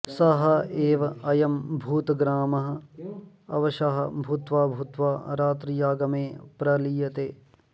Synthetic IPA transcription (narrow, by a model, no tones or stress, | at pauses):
sɐɦɐeːʋɐɐjɐmbʱuːt̪ɡɾaːmɐɦɐ̆ | ɐ̰ʋɐʃɐɦɐbʱut̪ʋaːbʱut̪ʋaːɾaːt̪ɾijaːɡɐmeːpɾɐlijɐt̪eː